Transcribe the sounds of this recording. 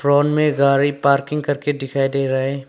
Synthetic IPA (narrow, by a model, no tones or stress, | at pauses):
fɾɔːɳmẽɡaːɾipaːɾkɪ̃ŋɡkɐɾked̪ɪkʰaːid̪eːɾɐɦeː